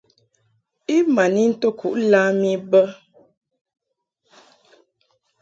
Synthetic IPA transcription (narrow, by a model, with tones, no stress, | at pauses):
i˦ma˨ni˦n̩˦to˦kʰu˨ʔla˦mi˦bə˦